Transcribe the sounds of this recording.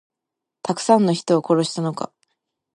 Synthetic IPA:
t̪akɯ̟̥sãnːoçi̥t̪o̞βako̞ɾo̞ɕi̥t̪ano̞ka̰

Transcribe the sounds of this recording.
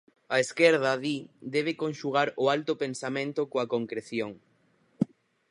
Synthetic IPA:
ɐeskeɾð̞ɐðid̪ɛβekonʃuɣ̞aɾʊalt̪ʊpensamẽnt̪ʊkoakoŋkɾeθjoŋ

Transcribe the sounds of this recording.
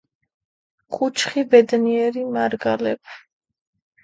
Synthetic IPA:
χʰʼut͡ʃʰχibɛd̪niɛɾimaɾɡalɛpʰ

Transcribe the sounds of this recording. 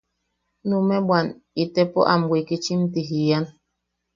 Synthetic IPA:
numɛɓwan | itɛpɔ̰ʔam̩ɡweket͡ʃim̩tiɦijan

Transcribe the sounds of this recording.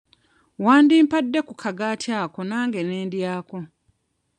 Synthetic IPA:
waːndiːmpadːe̞kukʰaɡaːtʰjaːko̞naːŋɡe̞neːndjaːko̞

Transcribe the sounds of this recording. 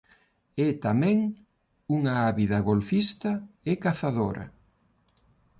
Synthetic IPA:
ɛt̪amɛ̃ŋ | uŋaaβiðɐɣolfist̪ɐekaθaðoɾʔɐ̰

